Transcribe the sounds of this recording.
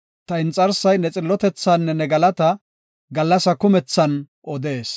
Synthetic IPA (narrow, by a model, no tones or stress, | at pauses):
t̪ɐɪnt͡sʼɐɾsɐjnɛt͡sʼɪlːɔt̪ɛt͡sːaːnːɛnɛɡɐlɐt̪ɐ | ɡɐlːɐsɐkʊmɛt͡sːɐn | ʔɔd̪e̞ːs